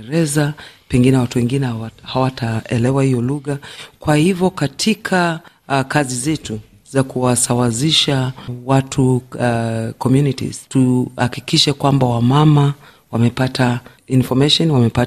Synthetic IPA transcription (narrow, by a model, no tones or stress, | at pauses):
ɾɛzapɛŋɡinɛwatuwɛŋɡinɛhawatʰaɛlɛwahijɔluɣakwahivjɔkatʰikʰa | kazizɛtu | zakuwasawaziʃawatʰu | kɔmjunitḭz̥tuhakikiʃɛkwambawamama | wamɛpatʰa | infɔmɛʃɔnwamɛpa